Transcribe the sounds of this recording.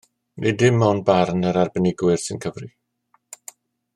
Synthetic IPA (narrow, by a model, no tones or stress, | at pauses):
nʔedɪmːɔnbarnəɾarbənɪɡwɪr̥sɪnkʰəvri